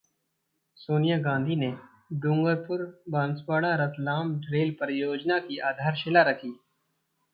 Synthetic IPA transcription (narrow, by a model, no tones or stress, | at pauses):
soːnijaɡãːnd̪ʱine | ɖʊ̃ŋɡəɾpʊɾbãːnswaːɽaɾət̪laːmɖɾeːlpəɾjoːd͡ʒnakiʔaːd̪ʱaːɾʃɪlaɾɐkʰiː